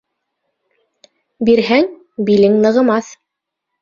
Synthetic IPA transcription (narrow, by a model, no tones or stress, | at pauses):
biɾɦæŋ | bilɘŋnɤ̆ʁɤ̆mɑθ